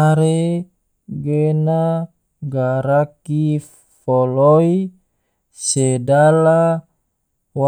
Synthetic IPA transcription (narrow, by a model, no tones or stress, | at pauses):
aɾe | ɡena | ɡaɾaki | fɔloi | sedala | wa